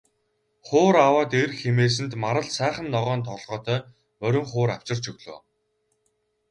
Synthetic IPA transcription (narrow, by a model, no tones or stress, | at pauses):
χʊːɾawaːt̪erxemeːs̬ɘ̆nt̪maɾə̆ɮsæːχə̆nːɔʁœːnt̪ʰɔɮʁœːt̪ʰœː | mœɾʲʊ̆ŋχʊːɾaw̥t͡ɕɪ̆r̥t͡ɕɵɣɮo̰ː